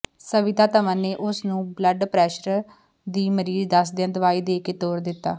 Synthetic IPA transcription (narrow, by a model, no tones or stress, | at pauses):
səʋɪt̪aːt̪əʋãːneːʔʊsnũːbləɖpɾɛːʃəɾ | d̪iːməɾiːzd̪əsd̪eãːd̪əʋaːiːd̪eːkeːt̪oːɾd̪ɪt̪ːa̰ː